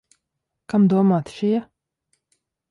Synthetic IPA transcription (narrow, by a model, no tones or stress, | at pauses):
kamd̪uɔmaːt̪ʃija